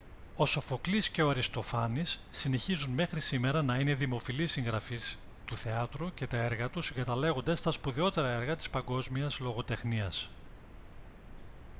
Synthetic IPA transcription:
o̞so̞fo̞klisce̞o̞ɐɾist̪o̞fɐnisːine̞çizunme̞xɾisime̞ɾɐnɐine̞ðimo̞filisiŋɣɾɐfis | t̪uθe̞ɐt̪ɾuce̞t̪ɐe̞ɾɣɐt̪usiŋɡɐt̪ɐle̞ɣo̞nd̪ɐst̪ɐspuðeo̞t̪e̞ɾɐe̞ɾɣɐt̪i̥spɐŋɡo̞zmiɐzlo̞ɣo̞t̪e̞xniɐs

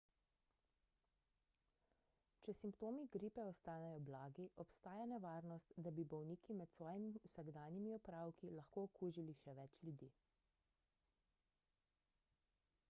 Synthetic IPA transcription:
t͡ʃɛsimpt̪oːmiɡɾiːpɛɔst̪aːnɛjɔblaːɡiʔɔpst̪aːjanɛʋaːɾnɔst̪d̪abibɔwniːkimɛt̪sʋɔːjimiwsaɡd̪aːnimiɔpɾaːwkilɐxkoːkuːʒiliʃɛʋɛt͡ʃljud̪iː

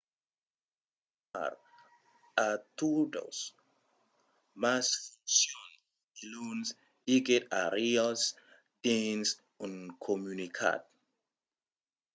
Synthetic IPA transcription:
a̰ɾ | at̪udo̰s | masfunsjon | iluns | iɡet̪aɾias | d̪̥ins | uŋkʰomunikʰa̰t̪̚

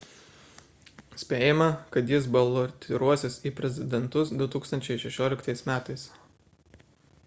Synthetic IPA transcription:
sʲpʲeːjɪmɐkɐt̪jɪs̬bɐlˠɔt̪ʲʰɪɾuɔsʲɪsiːpʲɾʲɛzʲɪd̪ʲɛnt̪ʊsd̪ʊt̪uːkst̪ɐnʲt͡ʃʲɛɪʃʲɛʃʲoːlʲɪkt̪ɐɪsmʲæːt̪ɐɪs

